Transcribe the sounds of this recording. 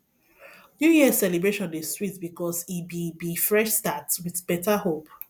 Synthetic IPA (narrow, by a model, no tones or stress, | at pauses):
juhisɛlibɹeʃɔ̃nĩstwitbikʰɔsibibifɹɛʃstatwɪðbɛtahop